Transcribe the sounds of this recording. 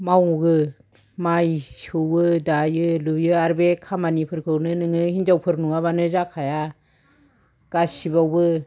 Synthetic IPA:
mawɡɯ | majsɯwɡɯdajɯlujɯaɾbekʰamanipʰɯɾkʰɯwnɯnɯŋɯhind͡ʒawpʰɯɾnuŋaβanɯzakʰaja | ɡ̥asibawbɯ

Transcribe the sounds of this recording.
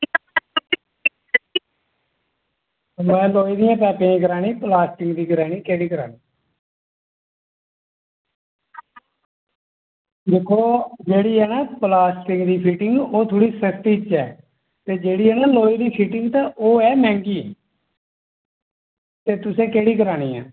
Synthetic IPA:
mɛ̃ːloːiːd̪ijãːpɛːpẽkəɾaːniːplaːsʈɪŋɡd̪iːɡəɾaːniːkɛːɽiːkəɾa̰ːniː | d̪ekʰːoːd͡ʒeːɽiːɦɛːnaːpəlaːsʈɪŋɡd̪iːpʰiːʈɪŋɡoːt̪ʰoːɽiːsəkʰt̪iːt͡ʃɛː | t̪eːd͡ʒeːɽiːɦɛːnaːloːiːd̪iːpʰiːʈɪŋɡt̪ãːʔoːɛːmɛ̃ːŋɡiː | t̪eːt̪ʊsẽːkeːɽiːkəɾaːɽiːã̰ː

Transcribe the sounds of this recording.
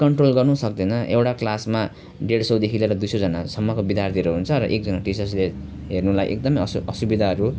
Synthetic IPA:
kʌɳʈrolɡʌrnusʌk̚d̪ʌnʌʔewʈaklasma | ɖeɽsʌwd̪ekʰileɾʌd̪ujsʌd͡zʌnasʌmːʌkobid̪jart̪ʰiɾoɦunt͡sʰʌɾʌʔek̚d͡zʌnaʈisʌsle | ɦernulajʔḛkd̪ʌmʌjʌsʌsubid̪ʱaɦʌɾu

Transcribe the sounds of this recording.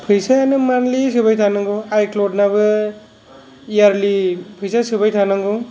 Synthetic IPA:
pʰɯjsaanɯmanlisɯbajtʰanɯŋɡuajklod̚nabɯ | ijaɾlipʰɯjsasɯbajtʰanaŋɡu

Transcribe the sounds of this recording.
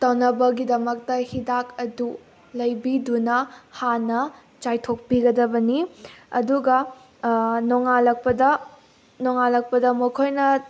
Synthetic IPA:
tɐwnɐbɐɡidɐmɐk̚tɐhidak̚ɐdu | lɐjbidunɐhanɐ | t͡ʃajtʰok̚piɡɐdɐbɐniɐ̰duɡɐ | noŋalɐk̚pɐdɐ | noŋalɐk̚pɐdɐmɐkʰojnɐ

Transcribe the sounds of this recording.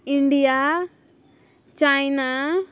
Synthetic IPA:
iɳɖija | t͡ʃajna

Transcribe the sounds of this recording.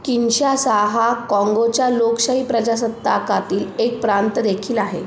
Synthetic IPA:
kinɕasaɦakɔ̃ŋɡot͡ɕjalokɕaɦiːpɾəd͡ʑas̬ət̪ːakat̪iːlek̚pɾant̪əd̪ekʰiːlaɦḛ

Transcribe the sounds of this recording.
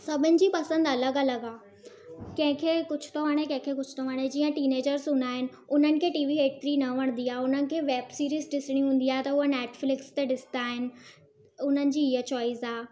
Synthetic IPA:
sɐbʱʊnɪ̆d͡ʑiːpɐsə̃nd̪ɐləɡɐləɡaː | kɐ̃ɦɪ̃kʰeːkʊd͡ʑʰʱʊ̥t̪ʰoʋaɽ̃ekɐ̃ɦɪ̃kʰeːkʊd͡ʑʰʱʊ̥t̪ʰoʋaɽ̃ed͡ʑiːə̃ʈiːneːd͡ʑəɾzɦũːnd̪aːɦɪnɪ̆ | ʊn̤ənɪ̆kʰeːʈiːʋiːɦeːʈ̚t̪ʰɾinɐʋɐɽ̃nd̪iaɦʊn̤ənɪ̆kʰeːʋeːbsiːɾiːzɖɪsɪɽ̃ĩɦũːn̆d̪iaːet̪ɐɦuəneːʈflɪkst̪eɗɪsɪ̥nt̪aːɦɪnɪ̆ | ʊn̤ənɪ̆d͡ʑiːɪɦət͡ɕɔːizaː

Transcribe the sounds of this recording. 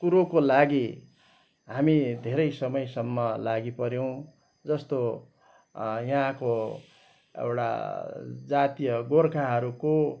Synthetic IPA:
kuɾokolaɡi | ɦamid̪ʱeɾʌjsʌmʌjsʌmːʌlaɡipʌɾjow̃ | d͡zʌst̪o | jʌɦãko | ḛwʈa̰ | d͡zat̪ijʌɡorkʰaɦʌɾuko

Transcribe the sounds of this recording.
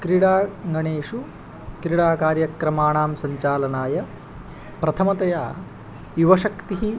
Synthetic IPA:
kɾiɽaːŋɡɐɳeːʂu | kɾiɽaːkaːɾjɐkɾɐmaːɳaːmsɐɲt͡ʃaːlɐnaːjɐ | pɾɐt̪ʰɐmɐt̪ɐjaː | juʋɐʃɐkt̪iɦi

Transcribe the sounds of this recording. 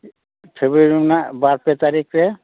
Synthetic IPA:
pʰebɾeɾimnabaɾpet̪aɾikʰɾe

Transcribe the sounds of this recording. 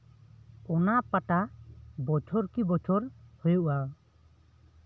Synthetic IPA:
ɔnapaʈabɔt͡ʃʰɔɾkibɔt͡ʃʰɔɾhɔjuʔa

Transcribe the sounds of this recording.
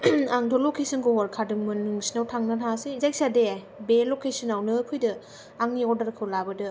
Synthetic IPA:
aŋdʰɔlokʰesinkɔɦɔɾkʰadɯŋmɯnːɯŋsinawtʰaŋnanhasezaj̚sade | belokesɯnawnɯkʰɯjdɯ | aŋniɔɾdɐɾkʰɯwlabɯdɯ

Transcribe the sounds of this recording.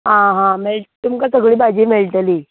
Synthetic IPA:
ɦãɦãmeɭʈt̪umkasəɡɭiːbad͡ʑimeɭʈ̪əli

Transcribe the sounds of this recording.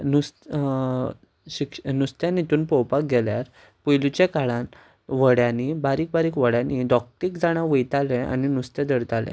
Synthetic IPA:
nus | ɕiknust̪jãnit̪uːnpɔwpak̚ɡɛljaɾ | pujlut͡ɕekaɭan | ʋəɽjanibaɾiːk̚baɾiːkʋəɽjanid̪ɔk̚ʈikd͡zaɽ̃aʋəjt̪alɛ̃a̰ninust̪ɛd̪əɽt̪alɛ̰̃

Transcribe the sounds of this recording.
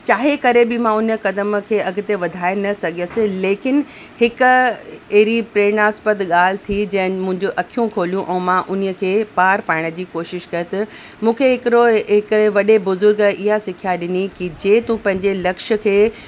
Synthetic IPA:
t͡ɕaːɦekɐɾebɪmãʊnə̆kɐd̪əmkʰeːɐɡ̆ʱt̪eʋɐd̪ʱaːenɐsɐɡʱiəsɪ̃leːkɪn | hɪkʊ̆eɦɾipɾeːñaːspət̪ɠaːl̤ɪt̪ʰid͡ʑɐ̃ɦɪnmʊ̃ɪ̃ɲd͡ʑoʔɐkʰijũkʰoːlijũʔɛ̃ːmãʔʊnəkʰeːpaːɾpaːɪɽ̃əd͡ʑiːkoːʃɪʃkɐet̪ɐ | mũːkʰeɦɪkɪɾoɦɪkʋɐɗebʊzʊɾɡʔɪɦasɪkʰijaɗɪnikid͡ʑeːt̪ũpɐ̃ɦɪ̃ɲd͡ʑelɐkʃə̆kʰeː

